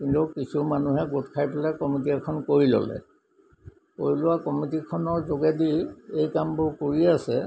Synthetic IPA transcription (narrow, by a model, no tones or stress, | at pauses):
kintukisʰumanuɦɛɡutkʰajpɔlɛkɔmitiɛkʰɔnkoɹilɔ̰lɛ̰ | ko̰ɹilʊwakɔmitikʰɔnɔɹzoɡɛdiejkambʊɹkoɹiasɛ